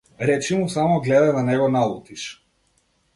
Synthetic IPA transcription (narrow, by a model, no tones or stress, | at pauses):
ɾɛt͡ʃimusamɔɡlɛd̪ad̪anɛɡɔnalˠut̪iʃ